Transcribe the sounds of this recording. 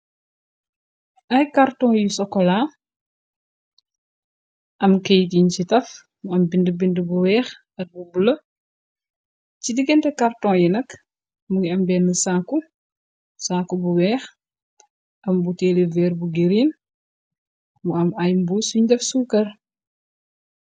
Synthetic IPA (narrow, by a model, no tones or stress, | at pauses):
ɐjkaɾtɔ̃ːjusɔkːɔla | ʔɐmkɛjtiɲt͡ʃitɐf | muɐmbindəbindəbuwɛːx | ɐrbubulə | cidiɡɛntɛkartɔ̃ːjinɐk | muŋiɐmbɛnːəsaku | saːkubuwɛːx | ʔɐmbutɛːlevɛːɾbuɡiɾin | muɐmɐjmbusuɲdɐfsuːkɐr